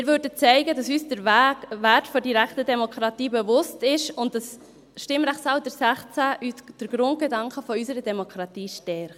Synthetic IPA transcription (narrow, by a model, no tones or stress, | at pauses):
mɪɾvøːɾdət͡sɛɪɡədɑsyːsd̥əɾvʋætfɔdiɾækχtədɛmokʰɾɑtiːbɛvʊstɪʃʊntd̥ɑs | ʃtɪmɾæχtsɑldəɾsæχt͡sæʔysd̥əɾɡ̥ɾʊnt̚ɡ̥edɑŋkəfɔysəɾədɛmokʰɾɑtiːʃtɛɾχt